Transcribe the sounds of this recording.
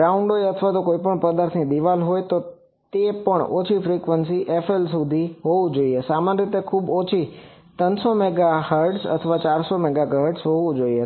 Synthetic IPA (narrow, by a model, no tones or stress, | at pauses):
ɾaʊ̃ɳɖoːeɐt̪ʰəʋat̪okoːipəɳ̃pəd̪aːɾt̪ʰnĩd̪iʋaːlɦoːet̪o | t̪epəɳ̃o̰ːt͡ʃʰifɾikʋənsiʔefelsud̪ʱiɦoʋũd͡ʒoiesaːmaːnɾɪt̪ekʰuːboːt͡ʃʰi | t̪ənsomeɡahəɾɖsɐ̰t̪ʰəʋat͡ɕaːɾsomɛɡaɡaɦəɾɖsɦoʋũd͡ʒoie